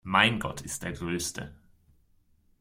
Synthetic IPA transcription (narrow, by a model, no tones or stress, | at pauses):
maɪnɡɔ̰tʰɪst̚d̥eːɐɡʁøːstə̰